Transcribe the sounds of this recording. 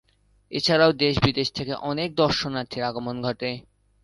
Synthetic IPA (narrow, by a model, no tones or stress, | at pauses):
et͡ɕʰaɾaod̪eʃbid̪eʃt̪ʰekeʔɔnek̚d̪ɔɾʃonat̪ʰːiɾaɡomonɡʱɔʈe